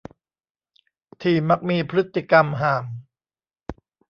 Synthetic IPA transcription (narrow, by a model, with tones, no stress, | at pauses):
t̪ʰiː˧˩ma˦˥k̚miː˧pʰɾɯ˦˥t̪ːi˧˩ka˧mɦaː˨˩m